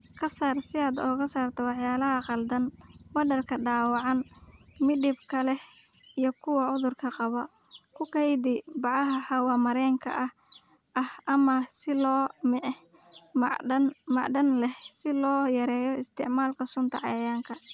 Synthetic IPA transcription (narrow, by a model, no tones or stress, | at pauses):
kʰɐsaːrsɪaːd̪ɔːɣɐsaːrt̪ʰɐwɑħjaːlɐɦɐqɑld̪ɐnwɐdɐrkʰɐɖaːwɑʕɑnmɪdɪbkʰɐlɛh | ijɞkʰʊwɐʊðʊrkʰɐqɑβɔkʰʊkʰɛjd̪ɪbɑʕɑɦɐħɑwɑmɐɾɛːŋkʰɐ̰ʔɐh | ʔɐhʔɐmɐsɪlɔːmɪʕ | mmɑʕɖɐnlɛhsɪlɔːjɐɾɛːjɔɪst̪ʰɪʕmaːlkʰɐsʊnt̪ʰɐ̰ʕɑjɐjaːŋkʰɐ